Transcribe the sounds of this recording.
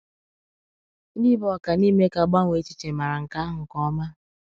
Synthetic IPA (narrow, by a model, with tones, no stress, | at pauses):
ni˦bɔ˦˨˦ka˨niː˦me˦ka˨ɡ͡ba˦ŋʷ˨e˨˦t͡ʃi̥˦t͡ʃe˨ma˨ɾa˨ŋ̩˨ka˦ɦʊ˨kɔ˦ma˦